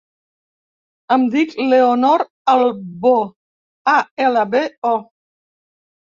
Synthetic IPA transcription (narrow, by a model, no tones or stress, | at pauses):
amd̪ikleonɔɾ | albo | aɛlabeɔ